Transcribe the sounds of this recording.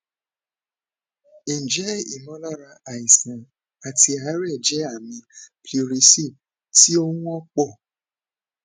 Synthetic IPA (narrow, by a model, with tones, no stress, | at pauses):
e˨d͡ʒɛ˨˦ḭ˦˨mɔ̃˨˦la˦ɾa˧a˨i˨sã˨ | a˨ti˧a˨˦ɾɛ˦˨d͡ʒɛ˨˦a˦˨mĩ˧pli˧ɾi˧si˦˨ | ti˦o˦ũ˦ɔ˦k͡pɔ˦˨